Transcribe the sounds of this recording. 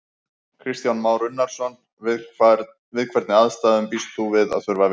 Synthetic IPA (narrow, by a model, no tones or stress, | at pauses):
kʰɾɪst̪janmaːwɾʏnːaɾ̥sɔn | vɪðkʰvɛɾt̪nɪaðst̪aːðʏmpist̪θuvɪða̰ðθœɾvav